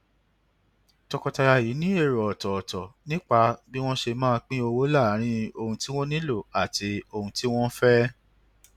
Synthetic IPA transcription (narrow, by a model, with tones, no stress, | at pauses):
tɔ˧kɔ˧ta˧ɾa˧ji˨˦nĩ˦e˦˨ɾɔ˨ɔ˨tɔ˨ɔ˨tɔ˨nĩ˦k͡pa˧bi˦w̃ɔ̃˦ʃe˧mãː˦˧k͡pĩ˦o˧wo˦la˦˨˦ɾ̃ĩ˦o˧hũ˧ti˦w̃ɔ̃˦nĩ˦lo˦˨a˨ti˧o˧hũ˧ti˦w̃ɔ̃˦fɛ˦